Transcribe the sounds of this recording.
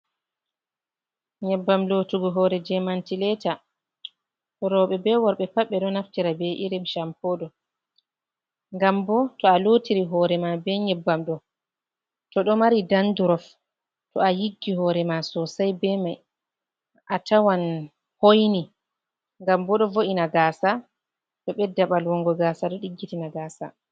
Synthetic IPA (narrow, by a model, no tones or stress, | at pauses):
ɲɛbːamlotuɡɔɦɔɾɛd͡ʒɛmantilɛta | tɔɾɔɓɛbɛwɔɾɓɛpaɓːɛɗɔnaftiɾabɛʔiɾimʃampoːdɔ | ŋɡambɔtɔaloːtiɾiɦɔːɾɛmabɛɲɛbːamɗɔ | tɔɗɔmaɾidanduɾɔf | tɔajiɡːihɔɾɛmasɔsajbɛmaj | ʔatʰawan | hojni | ŋɡambɔɗɔvoʔinaɡaːsa | ɗɔɓɛdaɓalwɔŋɡɔɡaːsaɗɔɗiɡːitinaɡaːsa̰